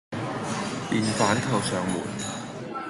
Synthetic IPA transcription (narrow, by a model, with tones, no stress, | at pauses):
piː˨˩nfaː˨˥nt̪ʰɐ˨˩wsœː˨˩ŋmuː˨˩n